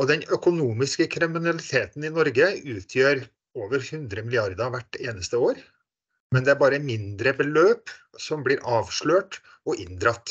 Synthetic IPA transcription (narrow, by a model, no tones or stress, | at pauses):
ɔd̪ɛnœkʊnuːmɪskəkʰɾɪmɪnɑlɪt̪ʰeːt̪n̩ɪnɔɾɡəʉːt̪ʰjøːɾ | oːʋəɾhʉnd̪ɾəmɪlɪɑɾd̪ɑʋæʈːeːnəst̪əoːɾ | mɛnd̪ɛæɾbɑːɾəmɪnd̪ɾəbəløːp | sɔmblɪːɾʔɑːʋʂɭøːʈ | ɔʔɪnd̪ɾɑt̪ː